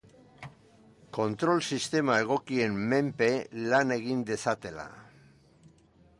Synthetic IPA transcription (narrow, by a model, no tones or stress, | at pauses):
ko̞nt̪ɾo̞lsist̪e̞mae̞ɣ̞o̞kie̞mːe̞mpe̞lane̞ɣ̞ind̪e̞sat̪e̞la̰